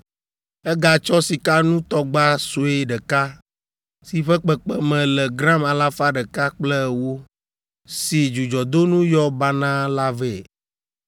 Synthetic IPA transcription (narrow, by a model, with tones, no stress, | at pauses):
ɛ˦ɡa˨t͡ʃɔ˦si˨ka˦nũ˦t̪ɔ˦ɡ͡ba˦so˨e˦ɖə˨ka˦ | si˨ɸɛ˦k͡pɛ˨k͡pɛ˦mɛ̃˨lɛ˨ɡɾã˦ma˨la˦fa˦ɖə˨ka˦k͡plɛ˦˨wo˦ | si˨d͡ʒu˨d͡ʒɔ˨d̪o˦nũ˦jɔ˦ba˦nã˦la˦vɛ˦˨